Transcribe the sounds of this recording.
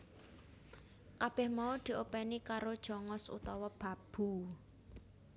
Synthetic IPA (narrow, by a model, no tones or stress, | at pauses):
kab̥ɛhmaud̪̥i̤ʔopɛnikaɾod̥ʒ̥ɔ̤ŋɔsṵt̪ɔwɔb̥a̤b̥ṳ